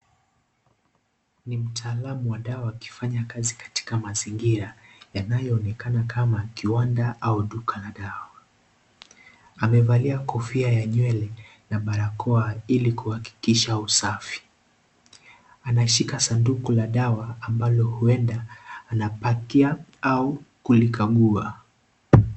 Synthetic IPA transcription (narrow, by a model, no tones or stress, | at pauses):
nim̩tʰaːlamuwaɗawaːki̥faɲakazikḁti̥kamaziŋɡiɾajanajɔːnɛkanakʰamakiwandaʔauɗukʰalaɗawa | amɛvaliakɔfiajaɲwɛlɛ | naɓaɾakɔailikuhaki̥kiʃausafi̥ | anaʃikasandukulaɗawaːmbalɔhuɛndaːnapakiaaukulikaɠua